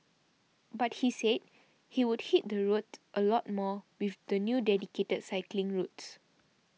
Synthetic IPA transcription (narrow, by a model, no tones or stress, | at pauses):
bat̚hised̚ | hiwud̚hit̚d̪əɹutʔəlɔt̚mɔwifd̪ənjudɛdiketədsaɪklĩŋɹuts